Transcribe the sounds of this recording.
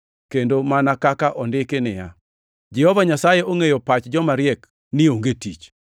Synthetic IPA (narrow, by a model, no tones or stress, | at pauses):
kendomanakakaʔɔndɪkɪnɪja | d͡ʒɛhɔvaɲasajeʔoŋejɔpat͡ʃd͡ʒɔmaɾɪɛk | nɪoŋɡetit͡ʃ